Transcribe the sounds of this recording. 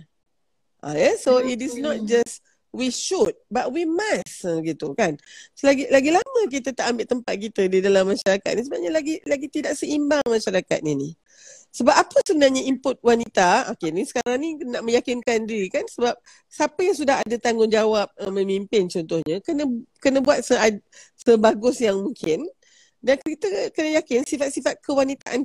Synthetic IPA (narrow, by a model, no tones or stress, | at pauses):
ʔa̰jɛsoit̬ɪsnɔt̪̚d͡ʒas | wiʃut̪̚bat̚wimasɡit̪ukanslaɡilaɡilamə̃k̬it̪ət̪aʔambɪʔt̪əmpat̪̚kit̪ədidalamːãʃaɾaka̰t̪̚nisəbapɲalaɡilaɡit̪idaʔsəimbaŋmãʃaɾaka̰t̪̚nini | səbap̚apəsəbənarɲaimpʊt̪̚wanit̪aa̰kɪnisə̥kaɾaŋninaʔmə̃jakɪnkandiɾikansəbap̚ | səapəjaŋs̬udaɦadat̪aŋɡʊŋd͡ʒawap̚əmə̃mimpɪnt͡ʃɔnt̪ʊhɲakənəkənəbuat̪̚səa | səbaɡʊsjaŋmuŋkʰɪn | dankkit̪əkənəjakɪnsifat̪̚sifat̪̚kʰəwanit̪aʔan